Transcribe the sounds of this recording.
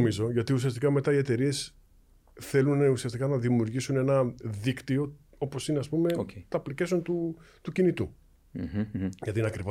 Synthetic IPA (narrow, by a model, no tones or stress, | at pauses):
mizo̞ʝɐt̪ius̬iɐst̪ikɐme̞t̪ɐie̞t̪e̞ɾie̞s | θe̞luneusiɐst̪ikɐnɐðimiuɾʝisune̞nɐðikt̪io̞ | o̞po̞sineɐspumeoet̪ɐplicesont̪ut̪ucinit̪u | ʝɐt̪inɐkɾivo